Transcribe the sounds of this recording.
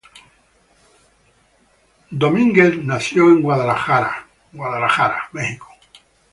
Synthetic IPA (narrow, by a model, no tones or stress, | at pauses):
d̪omĩŋɡeθnasjo̞eŋɡwaðalaxaɾa̰ | ɡwaðalaxaɾamexiko̥